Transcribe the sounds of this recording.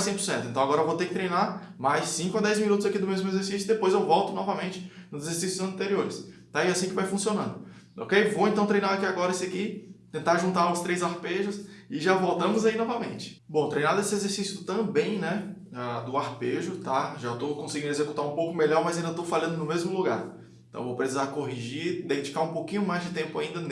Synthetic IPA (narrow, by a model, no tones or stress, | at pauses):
sẽj̃poɾsẽt̪ʊẽt̪ɐ̃w̃aɡɔɾɐvot̪ekɪ̥t̪ɾejnaɾmajsːĩkʊɐd̪ɛjzminut̪ʊzakid̪ʊmezmʊezeɾsisjʊd̪epojzewvɔwt̪ʊnɔvɐmẽnt͡ʃɪ̥nʊzezeɾsisjʊzɐ̃nt̪eɾioɾɪst̪aiasĩkɪvajfũsionɐ̃nd̪ʊ | o̰kejvowẽnt̪ɐ̃w̃t̪ɾejnaɾakiaɡɔɾɐesakit̪ẽnt̪aɾʒũnt̪aɾʊst̪ɾejzahpeʒʊsɪʒavowt̪ɐ̃mʊzainɔvɐmẽnt͡ʃɪ̥bõt̪ɾejnad̪esɪezeɾsisjʊt̪ɐ̃bẽj̃nɛ | ad̪ʊahpeʒʊt̪aʒat̪okõsɪɡĩd̪ezekut̪aɾũpowkʊmeʎɔɾmɐzaĩd̪ɐt̪owfaʎɐ̃nd̪ʊnʊmezmʊluɡaɾ̃ | t̪ɐ̰̃w̃vowpɾesizaɾkoɦiʒid̪ẽd͡ʒikaɾũpowkĩɲʊmajzd͡ʒɪt̪ẽpʊaĩnd̪ɐn